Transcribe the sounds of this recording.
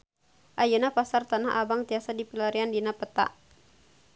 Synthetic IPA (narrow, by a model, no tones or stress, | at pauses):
ʔajunapasart̪anaɦʔa̰baŋt̪iasadipilaɾiandinapət̪a̰ʔ